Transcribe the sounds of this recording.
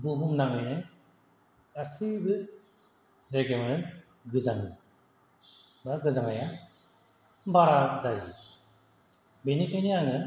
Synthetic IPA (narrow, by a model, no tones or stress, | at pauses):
buɦumnaŋɯnɯ | kʰʼasibɯ | zaɡemɯnɯn | ɡɯzaŋɯ | baɡɯzaŋaja | baɾazajḭ | benikʰajniaŋɯ